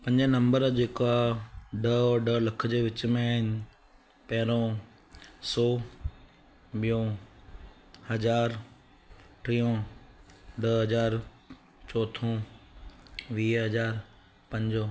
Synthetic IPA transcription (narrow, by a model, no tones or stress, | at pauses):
pɐ̃ɲd͡ʑənɐ̃mbəɾd͡ʑeːkaɖəːɾɖəlɐkʰd͡ʑeːʋɪt͡ɕmẽaːɦɪnɪ̆ | pɐɦɪɾõ | sɔː | ɓijõ | hɐd͡ʑaːɾ | ʈɾijõ | ɖəɦɐd͡ʑaːɾ | t͡ɕɔːt̪ʰõː | ʋiːɦɐd͡ʑaːɾ | pɐ̃ɲd͡ʑoː